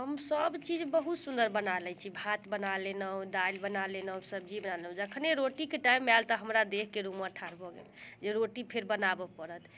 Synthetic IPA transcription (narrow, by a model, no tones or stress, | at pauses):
ɦəmsəbt͡ʃid͡ʒbəɦut̪sund̪əɾbənalɛt͡ʃʰibʱat̪bənalenəũd̪ajlbənalenəsəb̚d͡ʒibənaleũd͡ʒəkʰəneɾoʈikeʈaimːealt̪ɔɦəmɾad̪ekʰːeɾuməʈʰaɾbʱɔɡḛld͡ʒeɾoʈipʰeɾbənabɔpəɾət̪